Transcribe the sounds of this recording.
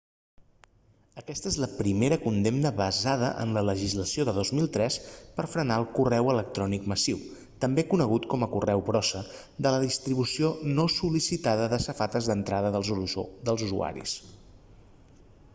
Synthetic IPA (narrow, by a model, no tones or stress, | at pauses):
əkɛst̪əezləpɾimeɾəkund̪emnəβəzaðəʔə̰nlələʒizləsioðəðozmilˠt̪ɾɛspəɾfɾənaəlˠkurɛwələk̚t̪ɾɔnikməsiw | t̪əmbekunəɣut̪kɔməkurɛwpɾɔsə | d̪ələðist̪ɾiβ̞usionosulisit̪aðəðəsəfat̪əzðənt̪ɾaðəðəlˠd̪əlˠzuzṵa̰ɾḭs